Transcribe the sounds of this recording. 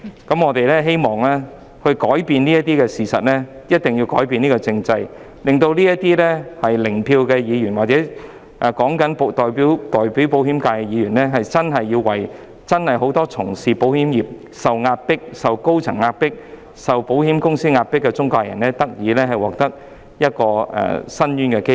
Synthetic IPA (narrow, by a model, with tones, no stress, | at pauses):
kɐ˨˥mŋɔː˨˧t̪e˨jlɛː˥ɦe˥jmɔː˨ŋlɛː˥ | hɵ˧ɥkɔː˨˥jpiː˧nniː˥jɐ˥t̚t̪iː˥kɛː˧siː˨˩sɐ̰˨t̚lɛː˥jɐ˥t̚t̪ɪ˨ŋji˧wkɔ̰ː˨˥jpiː˧niː˥kɔ˧t͡sɪ˧ŋt͡sɐ˧j | lɪ˨ŋt̪o˧wliː˥jɐ˥tt̪iː˥lɛː˥hɐ˨jlɪ˨˩ŋpʰiː˧wkɛː˧jiː˨˧jy˨˩nwaː˨k̚t͡sɛː˨˥ | ʔaː˨kɔː˨˥ŋkɐ˨˥npt̪ɔː˨jpiː˨˥wt̪ɔː˨˩jpi˨˥wp̬o˨˥whiː˨˥mkaː˧jkɛ˧jiː˨˧ɥy˨˩nlɛː˥ɦɐ˨jt͡sɐ˥nɦɐ˨jːiː˧wwɐ˨˩j | t͡sɐ˥nhɐ˨jɦo˨˥wt̪ɔː˥t͡sʰʊ˨˩ŋsiː˨po˨˥whiː˨˥mjiː˨˩p̚ | sɐ˨wŋaː˧t̚pɪ˥k̚sɐ˨wko˥wt͡sʰɐ˨˩ŋːaː˧t̚pɪ˥k̚ | sɐ˨wpo˨˥wɦiː˨˥mkʊ˥ŋsiː˥ŋaː˧t̚pɪ˥kːɛ˧t͡sʊ˥ŋkaː˧jɐ̰˨˩nɛː˦˥t̪ɐ˥k̚jiː˨˧lɛː˥ɦɐ˨jwɔː˨k̚t̪ɐ˥k̚ | jɐ˥t̚kɔː˧ɛ̰ː˨˩sɐ˥njyː˥nkɛ˧ke˥